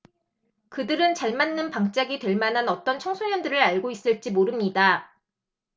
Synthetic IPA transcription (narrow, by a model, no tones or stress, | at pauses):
kɯdɯɾɯnt͡ɕaɭmanːɯnpaŋt͡ɕ͈aɡitwe̞ɭmanɦanʌt͈ʌnt͡ɕʰʌŋsʰoɲjʌndɯɾɯɾaɭɡois͈ɯɭt͡ɕ͈imoɾɯmɲida